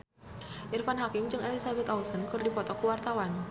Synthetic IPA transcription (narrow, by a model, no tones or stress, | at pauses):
ʔirfanɦakɪmt͡ʃɨŋʔelisabɛt̪ɔulsɔnkɨrdipɔt̪ɔkuwart̪awan